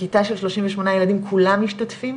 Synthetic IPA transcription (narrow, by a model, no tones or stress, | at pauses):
itaʃe̞lʃlo̞ʃiɱveʃmo̞najeladimkʰulamːiʃtatfim